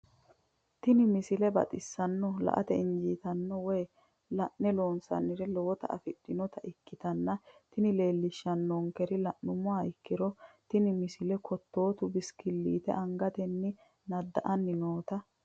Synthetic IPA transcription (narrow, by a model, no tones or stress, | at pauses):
t̪ɪnɪmɪsɪlɛbɐ̰t̪ʼɪsːɐnːɔlɐ̰ʔɐ̰t̪ɛɪɲd͡ʒiːt̪ɐnːɔwɛj | lɐʔnɛlo̞ːnsɐ̰nːɪɾɛlɔwɔt̪ɐ̰ɐ̰fɪɗ̥ːɪnɔt̪ɐʔɪkːɪt̪ɐnːɐt̪ɪnɪle̞ːlːɪʃːɐnːɔŋkɛɾɪlɐʔnʊmʊaːɪkːɪɾɔt̪ɪnɪmɪsɪlɛkʰɔt̪ːo̞ːt̪ʊbɪskɪlːḭːt̪ɛ̰ʔɐŋɡɐt̪ɛnːɪ | nɐd̪ːɐʔɐnːɪnoːt̪ɐ